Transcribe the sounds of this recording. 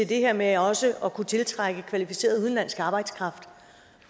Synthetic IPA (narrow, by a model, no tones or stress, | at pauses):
e̝ld̥e̝heɐ̰meɒ̽səʔɒ̽kʰut͡sʰe̝lt͡sʰʁaɡ̥əkʰʋælifise̝̰ːɐðˠuð̞ˠnlæn̰sɡ̥ɑ̈ːb̥ɑ̈ɪd̥skʰʁɑ̈fd̥